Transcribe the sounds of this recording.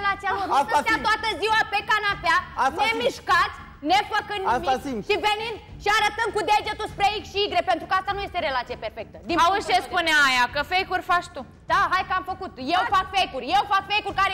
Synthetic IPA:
lat̪sialoɾaat̪oat̪əziwapekanapeanemiʃkat̪sʲ | nefəkɨnd̪imikʃivenind̪ʃiaɾət̪əmkud̪ed͡ʒet̪uspɾeikʃiiɡɾepent̪ɾukəast̪anuje̞st̪eɾe̞lat̪siaperfek̚t̪əd̪iausespuneajakəfejkurʲfat͡ʃt̪u | d̪̥aɦajkəamfəkut̪jewfakfejkurʲjewfakfejkurʲkaɾe

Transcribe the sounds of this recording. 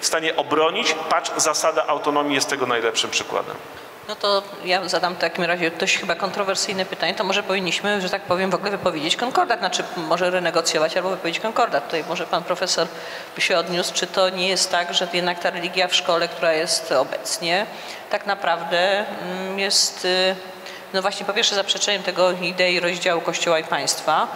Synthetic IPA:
fst̪aɲɛʔɔbɾɔɲit͡ɕpat͡ʂzasad̪aʔawt̪ɔnɔmʲijɛst̪ːɛɡɔnajlɛpʂɘmpʂɘkwa̰d̪ɛ̰m | nɔt̪ɔ | jazad̪amft̪akʲimɾaʑɛd̪ɔɕxɘbakɔnt̪ɾɔvɛɾsɘjnɛpɘt̪aɲɛt̪ɔmɔʐɛpɔvʲiɲːiɕmɘʐɛt̪ak̚pɔvʲjɛmvɔɡlɛvɘpɔvʲjed͡ʑet͡ɕkɔŋkɔɾd̪at̪nat͡ʂɘmɔʐɛɾɛnɛɡɔt̪sʲjɔvat͡ɕalbɔvɘpɔvʲed͡ʑet͡ɕʲkɔŋkɔɾd̪at̪ut̪ajmɔʐɛpanpɾɔfɛsɔɾ | ɕɛɔd̪ɲust͡ʂɨt̪ɔɲɛjɛst̪ːaɡʐɛjɛd̪nak̚t̪aɾɛlʲiɡʲjafʂkɔlɛk̚t̪uɾajɛst̪ɔbɛt̪sɲɛ | t̪aknapɾavd̪ɛ | jɛst̪ | nɔvwaɕɲɛpɔpʲjɛɾʂɛzapʂɛt͡ʂɛɲɛmt̪ɛɡɔid̪ɛiɾɔʑd͡ʑawukɔɕt͡ɕɔwaipaj̃st̪fa

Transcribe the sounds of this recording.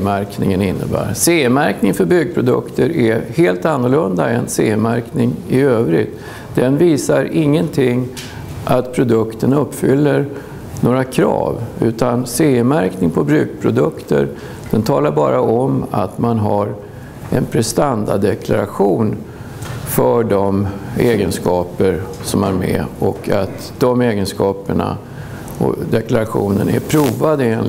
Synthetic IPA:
mæɾknɪŋənɪnːə̰bæ̰ːɾseːmæɾknɪŋfœɾbʏɡ̚pʰɾʊd̪ɵ̰kt̪ʰəɾʔæheːlt̪anːʊɭɵnd̪aɛnseːɪmæɾknɪŋɪøːvɾɪ̰t̪ | d̪̥ɛnviːsaɾɪŋːənt̪ʰɪŋː | ʔat̪pʰɾʊd̪ɵkt̪ʰənɵpːfʏlːəɾ | noːɾakʰɾɑ̰ːvʉ̟̰ːt̪anseːɪmæɾknɪŋpʰɔbɾʉ̟ːɡ̚pʰɾʊd̪ɵkt̪ʰə̰ɾ | d̪̥ɛnt̪ʰɑːlaɾbɑːɾaɔmat̪manɦaɾ | ɛnpʰɾɛst̪and̪ad̪ɛkʰlaɾaɧuːn | fœɖɔmeːɡənskɑːpəɾsɔmaɾmɛ̰ɔkʰat̪ | d̪ɔmeːɡənskɑːpəɳa̰ | ɔ̰d̪ɛklaɾaɧṵːnənæ̰ɾpʰɾuːvad̪əeːn

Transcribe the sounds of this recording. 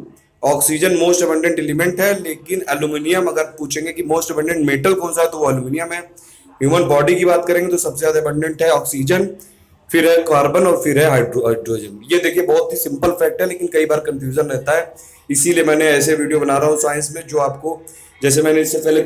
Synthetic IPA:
ɔːksiːd͡ʒənmoːsʈɐbə̃ɳɖẽɳʈɛlɪmɛ̃ɳʈɦɛleːkɪnɛlumɪnijəmɐɡəɾpuːt͡ʃʰẽːŋɡekimoːsʈɐbɛ̃ɳɖẽɳʈmeːʈəlkõːnsaɦɛt̪oʋoɐluminijamẽɛ̃ | ɦjuːmənbɔːɖikibaːt̪̚kɐɾẽːŋɡet̪osɐbs̬ezjaːd̪aɐbə̃ɳɖẽɳʈɦɛɔːksiːd͡ʒən | fɪɾɦɛkaːɾbənɔːɾfɪɾɦɛɦaːɪɖɖɾoːd͡ʒənjed̪eːkʰiebɔɦʊt̪ɦisɪ̃mpəlfɛːk̚ʈɦɛleːkɪnkɐibaːɾkɐ̃nfjuːd͡ʒənɾɛɦt̪aɦɛː | ɪsiliemɛ̃ːneɛːseʋiːɖijobɐnaːɾaɦũsaːɪ̃nsmẽd͡ʒoːaːp̚ko | d͡ʒɛːs̬emɛːneɪsːepɛːle

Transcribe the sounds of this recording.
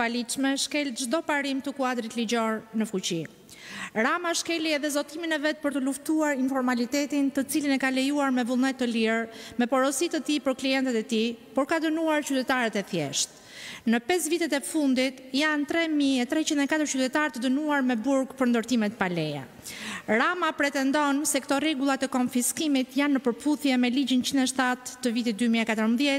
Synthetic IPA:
alit͡ʃmɛʃkɛlʒd̪ɔpaɾimt̪əkuad̪ɾit̪lid͡ʑɔɾnəfut͡ɕi | ɾamaʃkɛliɛðɛzɔt̪iminɛvɛt̪̚pəɾt̪əluft̪uaɾinfɔɾmalit̪ɛt̪int̪ət͡silinɛkalɛjuaɾmɛvulˠnɛt̪ːəliɾmɛpɔɾɔsit̪ət̪ipəɾkliɛnt̪ɛt̪ɛt̪ipɔɾkad̪ənuaɾt͡ɕyt̪ɛt̪aɾɛt̪ɛθjɛʃt̪̚ | nəpɛsvit̪ɛt̪ɛfund̪it̪jant̪ɾɛmiɛt̪ɾɛt͡ɕind̪ɛkat̪əɾt͡ʃyt̪ɛt̪aɾt̪əd̪ənuaɾmɛbuɾɡpəɾnd̪əɾt̪imɛt̪palɛja̰ | ɾamapɾɛt̪ɛnd̪ɔnsɛkt̪ɔɾɛɡulˠat̪ɛkɔnfiskimit̪janːəpəɾpuθjɛmɛlid͡ʑint͡ɕind̪ɛʃt̪at̪ːəvit̪it̪̚d̪ymiɛkat̪əɾmbðjɛ

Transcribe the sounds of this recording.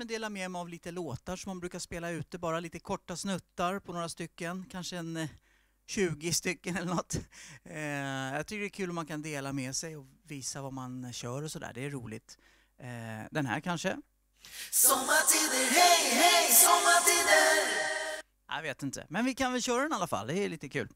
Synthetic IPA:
mɛd̪eːlamɛmɛavliːt̪əloːt̪aʂɔmːanbɾʉ̟ːkaʂpeːlaʉ̟ːt̪əbɑːɾaliːt̪əkʰɔʈːasnɵt̪ːaɾpʰɔnoːɾast̪ʏkːənkʰanʂəɛn | ɕʉ̟ːɡɪst̪ʏkːənɛlːəɳɔt̪ː | ja̰ɡt̪ʰʏkːəɖɛːkʰʉ̟ːlɔmːankʰand̪eːlamɛsɛjɔviːsavamanɕœːɾɔsɔd̪æ̰ːɖɛæɾuːlɪ̰t̪ | d̪ɛnɦæ̰ːɾkʰanʂə | sɔmːatʰiːd̪əhɛjhɛjsɔmːatiːd̪ə | a̰javeːt̪ɪnt̪ʰə̰mɛnvɪkʰanvɪlɕœːɾadɛnalːafa̰lːd̪ɛliːt̪əkʰʉ̟ːl

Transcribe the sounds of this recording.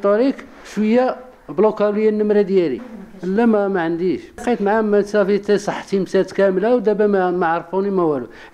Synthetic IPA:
t̪ˤːɑɾik | ʃwəjːa | blukæləjːænːəmɾad̪jælḭəlːæmæmæʕənd̪iʃqit̪mʕamæt̪sæfit̪isˤɑħːt̪imsæt̪kæmlawd̪æbæmaʕɾˤfunimæwælu

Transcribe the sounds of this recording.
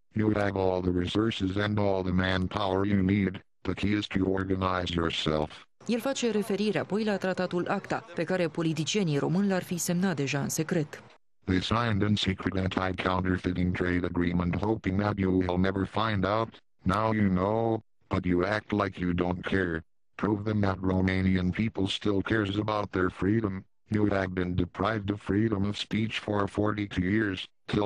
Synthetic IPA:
jɨɨvɔlˠðəɹisɔɹsɨzɨ̃nɔlˠðəmæ̃npʰaʊə˞jɨnid̚ | b̥ʌt̚hiɪz̥tʰɨɔɹɡɨnaɪzjə˞sɛ̰lˠf | je̞lfat͡ʃe̞ɾe̞fe̞ɾiɾeapo̞jlat̪ɾat̪at̪ulʔakt̪ape̞kaɾe̞po̞lit̪̬it͡ʃie̞niɾo̞mɨnlarfise̞mnat̪̚d̪e̞ʒaɨ̰nse̞kɾe̞t̪ | ðeɪsãɪ̃ndɨ̃nsikʰɹɨɾɨ̃ntʰaɪkʰãʊ̃ntə˞fɪɾɪ̃ŋtʰɹ̥eɪɾɨɡɹĩmə̃nthoʊpɪ̃ŋðət͡ʃɨəlˠnɛvə˞fãɪ̃ndaʊt | naʊjɨnoʊ | b̥ʌt͡ʃɨæk̚tˡlaɪkjɨdõʊ̃nkʰɛɹ | pʰɹ̥uvðɨ̃mðət̚ɹoʊmẽɪ̃niɨ̃npʰipl̩ˠstɪlˠkʰɛɹzəbaʊt̪̚ðə˞fɹiɾə̃m | juɨvbɨ̃ndɨpʰɹ̥aɪvdʌv̥fɹiɾə̃mʌv̥spit͡ʃfə˞fɔɹɾitʰʉjɪɹz̥ | tʰɪ

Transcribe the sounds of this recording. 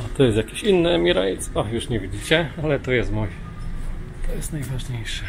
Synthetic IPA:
at̪ɔjɛst̪jakʲeɕinːɘɛmʲiɾajt̪spajuʂɲɛvʲid͡ʑit͡ɕɛalɛt̪ɔjɛst̪muj | t̪ʰɔjɛst̪najvaʐɲejʂɛ̥

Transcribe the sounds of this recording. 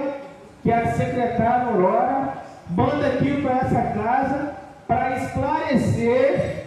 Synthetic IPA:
kɪɛsekɾet̪aɾjolɔɾɐ | mɐ̃nd̪ɐkipɾɐɛsɐkazɐ | pɾɐisklaɾeseɾ

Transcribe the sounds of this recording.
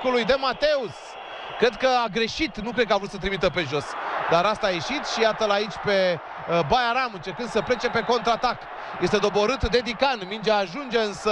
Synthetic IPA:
ulujd̪e̞mat̪e̞us | kɾe̞d̪̚kəaɡɾe̞ʃit̪nukɾed̪kəavɾut̪sət̪ɾimit̪əpe̞ʒo̞sd̪aɾast̪aːje̞ʃit̪ʃijat̪əlait͡ʃʲpe̞ | bajaɾamɨnt͡ʃe̞ɾkɨnsəple̞t͡ʃe̞pe̞ko̞nt̪ɾat̪ak | je̞st̪e̞d̪o̞bo̞ɾɨt̪d̪e̞d̪ikanmind͡ʒeaʒund͡ʒe̞ɨnsə

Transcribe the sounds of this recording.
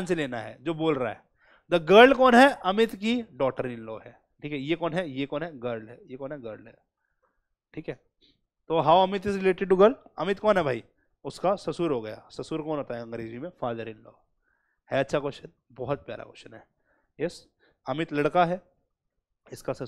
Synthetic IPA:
nseleːnaɦɛ̰ːd͡ʒoːboːlɾa̰ɦɛː | d̪ɐɡəɾɖkɔːnɦɛɐmɪt̪kiɖɔːk̚ʈəɾɪ̃nloːɦɛː | ʈʰiːkɦɛjekɔːnɦɛjekɔːnɦɛɡəɾɖɦɛjekɔːnɦɛɡəɾɖɛ̰ | ʈʰiːkɦɛː | t̪oːɦaːwɐmɪt̪ɪzɾɪleːʈɪɖ̚ʈuɡəɾɖɐmɪt̪kɔːnɦɛbʱaːi | ʊskasɐsuːɾɦoɡɐja̰sɐsuːɾkɔːnɦoːt̪aɦɛɐ̃ŋɡɾeːd͡ʒimẽfaːd̪əɾɪnlo̰ː | hɛɐtːʃʰakɔʃən | bɔɦɔt̪̚pja̰ːɾa̰kɔ̰ːʃənɦɛː | jɛs | ɐmɪt̪lɐɽkaɦɛː | ɪskasɐ

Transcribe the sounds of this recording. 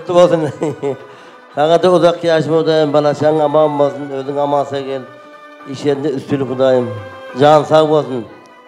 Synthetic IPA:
t̪ːəbolˠsən | sɑʁɑd̪eʊzɑq̚kːijɑʃ̬ɪmqʰʊd̪ɑjəmbɑlˠɑʃɑŋɑmɑbolˠsənwɵzd̪ɪŋɑmɑnsɑkʰʲel | iʃeɾɪnd̪eʏst̪ʰylʲɪqʰʊd̪ɑjəmʒɑnsɑqbolˠsən

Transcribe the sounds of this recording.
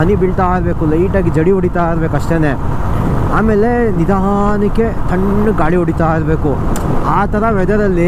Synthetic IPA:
ɐnibiɭt̪aːiɾbeːkulɐiːʈaːɡed͡ʒɐɽioɽit̪aːiɾbeːkɐʂʈeːneː | aːmeːlenid̪aɦanikːet̪ʰɐɳːɡaːɭioɽit̪aːiɾbeːku | aːt̪ɐɾɐʋɛd̪ɐɾɐlːi

